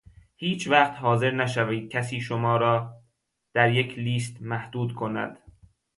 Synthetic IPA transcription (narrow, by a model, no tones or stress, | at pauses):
hiːt͡ʃʰvæχt̪hɒːze̞ɾnæʃæviːd̪̥̚cʰæsiːʃomɒːɾɒː | d̪̥æɾje̞cʰliːst̪mæhd̪̥uːd̪kʰo̞næ̰d̪̥